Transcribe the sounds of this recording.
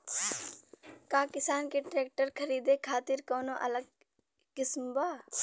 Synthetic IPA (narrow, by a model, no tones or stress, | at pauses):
kaːkɪsaːnkeʈɾeːk̚ʈəɾkʰəɾiːd̪eːkʰaːt̪ɪɾkoːnoʔɐ̰ləɡ̚ | kɪsmbaː